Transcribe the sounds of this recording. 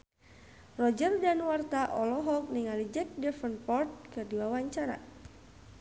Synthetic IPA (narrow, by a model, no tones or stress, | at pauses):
rɔd͡ʒərdanwart̪aʔɔlɔɦɔk̚niŋalid͡ʒɛk̚dɛfənpɔrt̪̚kɨrdiwawaɲt͡ʃaɾa̰